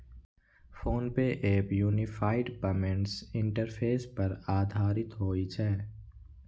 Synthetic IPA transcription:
foːnpeʔeːpjuːnɪfʰaːɪɖpɐmẽɳɖsɪ̃ɳʈəɾpʰeːspɐɾaːd̪ʱaːɾɪt̪ɦoːit͡ʃʰɛː

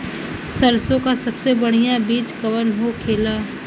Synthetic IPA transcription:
səɾsõkasɐbsebɐɽ̤ijãbiːt͡ʃkɐʋənɦokʰeːlaː

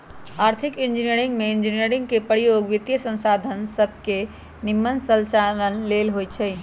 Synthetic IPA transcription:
aɾt̪ʰikind͡ʒinijəɾĩŋɡmeind͡ʒinijəɾiŋɡkepəɽijoɡʋit̪jəsə̃nsad̪ʱənsəbʱke | nimːənsəlt͡ʃalənlelɦojt͡ʃʰɛj

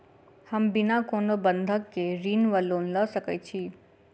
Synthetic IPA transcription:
həmbɪnakoːnobə̃nd̪ʱəkːeɾiːnʋəloːnləsəkɛ̰t͡ʃʰiː

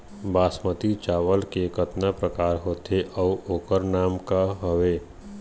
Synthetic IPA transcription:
baːsmət̪it͡ʃaːʋəlkekət̪napɾəkaːɾɦoːt̪ʰeʔɔuoːkəɾnaːmkaɦoʋeː

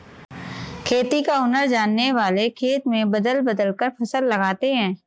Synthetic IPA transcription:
kʰeːt̪ikaʊnəɾd͡ʒaːnːeʋaːlekʰeːt̪mẽbɐd̪əlbɐd̪əlkəɾpʰɐsəlːɐɡaːt̪eɦɛ̃ː

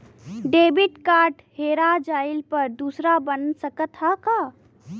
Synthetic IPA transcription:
ɖeːbiʈkaːɾʈheɾad͡ʒaːɪlpəɾd̪uːsɾabənsəkət̪ɦaka

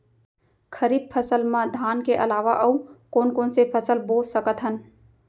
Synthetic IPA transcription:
kʰəɾiːb̚pʰəsəlmãd̪ʱaːnkeʔə̰laːʋaʔəukoːnkoːnsepʰəsəlbolsəkət̪ɦən

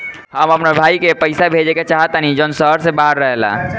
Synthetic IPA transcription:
ɦəməpnabʱaikepəɪsabʱed͡ʒeket͡ʃaɦət̪anid͡ʒənsəɦəɾsebaɦəɾːəɦela̰

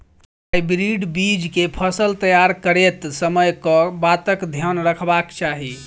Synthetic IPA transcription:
t̪k | aibɾiɖbid͡ʒkepʰəsəlt̪əjaɾkəɾet̪səməjkɔbat̪əkd̪ʱjənɾəkʰbakt͡ʃaɦi

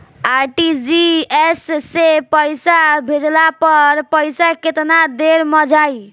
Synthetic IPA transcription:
aɾʈid͡ʒiesːepəjsabʱed͡ʒlapʌɾpəjsaket̪nad̪eɾmʌd͡ʒaj

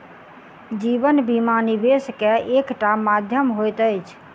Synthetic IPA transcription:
d͡ʒibənbimanibeskeʔekʈamad̪ʱjəmɦojt̪əjt͡ʃʰ

